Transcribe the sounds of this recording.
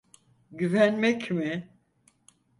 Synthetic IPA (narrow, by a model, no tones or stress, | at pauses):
ɟyvænmɛcmɪ